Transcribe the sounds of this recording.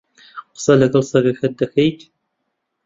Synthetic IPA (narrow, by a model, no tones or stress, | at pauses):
qsɐlɐɣɐlsɐɣɐxɐdɐxejt